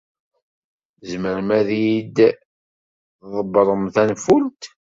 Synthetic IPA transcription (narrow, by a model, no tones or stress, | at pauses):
zməɾmæðjid̪ | ðˤəbɾˤəmθænfult̪